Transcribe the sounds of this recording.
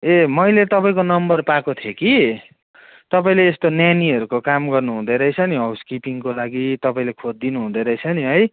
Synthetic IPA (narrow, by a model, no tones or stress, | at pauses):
emʌjlet̪ʌpaĩkonʌmbʌrpakot̪ʰjeki | t̪ʌpaĩleːst̪onjaniɦʌɾukokamɡʌrnuɦũd̪eɾʌjt͡sʰʌniɦʌwskipiŋkolaɡit̪ʌpaĩlekʰodd̪inuɦũd̪ʌɾʌjt͡sʰʌniɦʌj